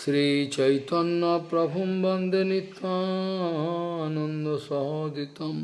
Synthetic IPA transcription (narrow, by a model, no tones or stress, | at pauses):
sɾiːt͡ʃɐjt̪ɔnːɐpɾɐbʱumbɔnd̪ʱenit̪aɦɔanɔnd̪osɔɦɔd̪it̪ɐm